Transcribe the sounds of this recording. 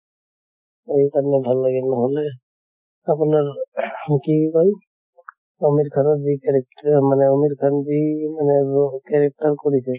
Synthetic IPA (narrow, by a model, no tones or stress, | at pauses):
ejkanebʱalːaɡɛnaɦole | apnaɹkikɔj | omiɾkʰanɔdikɛɾɛk̚manɛomiɾkʰandimanɛkɛɾɛk̚taɾkɔɹisʰɛ